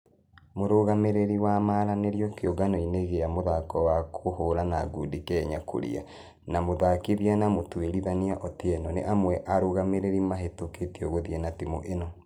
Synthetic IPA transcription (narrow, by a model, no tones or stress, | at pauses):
moɾoɣameɾeɾiwamaɾaneɾjɔkjoɣanɔineɣeamoðakɔwakʰohoɾanaɡudikɛɲakʰo̰ɾḭa̰ | namoðakeβjanamotueɾiðaniaʔɔteɛnɔnḛʔamwɛʔaɾoɣameɾeɾimaɦetoketeoɣoðiɛnatimoʔenɔ